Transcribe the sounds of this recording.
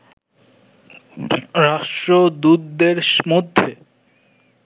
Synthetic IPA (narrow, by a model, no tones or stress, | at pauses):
ɾaʃʈɾod̪ud̪d̪eɾʃmod̪ʱːe